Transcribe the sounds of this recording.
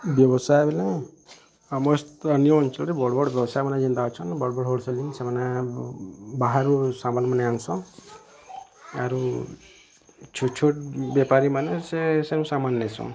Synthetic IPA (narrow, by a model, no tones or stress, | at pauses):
bjɔbɔsajbʱelẽ | ɔmɔst̪ənjount͡ʃʰɔɾebɔɽbɔɽbjɔbɔsajmanad͡ʒind̪aɔt͡ʃʰɔnbɔɽbɔɽɦoɽselinsemana | baɦaɾusamanmaneansɔ̃ | aɾu | t͡ʃʰut͡ʃʰuʈ̚bjepaɾimanesesenũsamanlesɔ̰̃